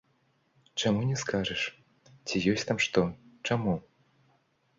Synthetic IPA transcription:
t͡ʂamunʲɛskaʐɛʂ | t͡sʲijɔsʲt̪amʂt̪ɔt͡ʂamu

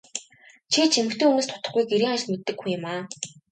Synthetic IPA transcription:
t͡ɕʰet͡ɕʰimɘ̆xt̪eːunŭːst̪ʰʊ̥t̪ə̆χɡujɡeɾiːŋχat͡ɕʲt̪met̪ːɘ̆kːujʊmaː

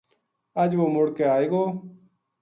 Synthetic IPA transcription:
əd͡ʒʋoːmʊɽkeːaːeːɡoː

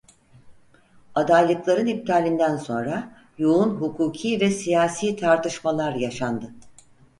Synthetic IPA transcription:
ad̪ajlˠɯklˠaɾɯnip̚t̪ʰaːlʲind̪ænso̞nɾa | juunɦukʰuːcʰiːvɛsijaːsiːt̪ʰaɾt̪ɯʃmalˠaɾjaʃand̪ɯ

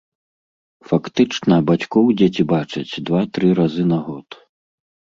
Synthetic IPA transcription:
fakt̪ɨt͡ʂnɐbat͡sʲkɔwd͡zʲet͡sʲibat͡ʂɐt͡sʲd̪vat̪ɾɨɾazɨnaɣɔt̪

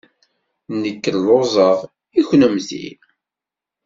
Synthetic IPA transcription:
nːəkːəllozˤəʁ | içnəmθḭ

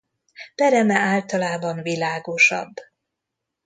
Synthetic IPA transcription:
b̥ɛɾɛmɛaːlt̪ɒlaːbɒnvilaːɡo̞ʃɒ̰bː

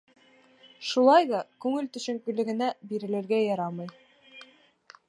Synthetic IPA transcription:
ʃulˠɑjðɑkʉŋɘlt̪ɵ̆ɕɘ̆ŋkɵ̆lɘ̆ɡɘ̆næbiɾɘ̆lɘ̆ɾɡæjɑɾɑmɤj

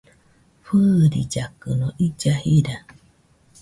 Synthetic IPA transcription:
ɸɨɾḭd͡ʒakɨnõʔid͡ʒahiɾa

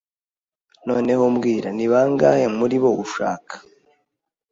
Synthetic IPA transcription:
no̞ːne̞homɡiːɾaniβaːŋɡa̰hemuɾiβo̞uʃa̰ːkʰḁ

